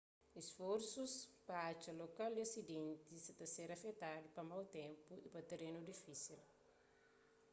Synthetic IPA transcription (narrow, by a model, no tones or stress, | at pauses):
isfoɾsuspɐat͡ʃɐlokald̪iɐsid̪ẽnt̪isit̪ɐseɾɐfet̪ad̪upɐmawt̪ɛ̃mpuipɐt̪eɾenud̪ifisil